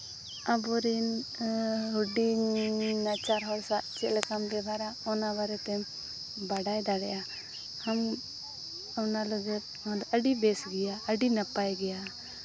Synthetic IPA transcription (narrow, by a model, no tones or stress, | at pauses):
abɔɾin | ɦuɖi | nat͡ʃaɾɦɔɽsat̪̚t͡ʃɛlɛkambɛbʱaɾaɔnabaɾɛt̪ɛ | baɖajd̪aɽɛjʔa | ham | awnaləɡɛt̪̚ɔd̪əɖibɛsɡɛjaəɖinapajɡɛja